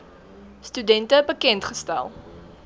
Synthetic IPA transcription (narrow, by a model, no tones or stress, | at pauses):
stydɛntəbəkɛntχəstæ̰lˠ